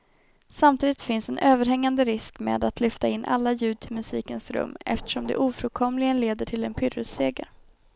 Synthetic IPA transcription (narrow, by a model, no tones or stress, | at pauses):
samt̪ʰiːd̪ɪt̪fɪnsɛnʔøːvəɾɦɛŋːand̪əɾɪskmḛːd̪at̪lʏft̪aɪnːʔa̰lːajʉ̟ːd̪̚ʈʰɪlmɵsiːkənsɾɵ̰mːɛ̰ft̪ə̥ʂɔmd̪ɛ̰ʔuːfɾɵkʰɔmlɪɡənleːd̪əʈʰɪlɛnpʰʏɾɾɵseːɡə̰ɾ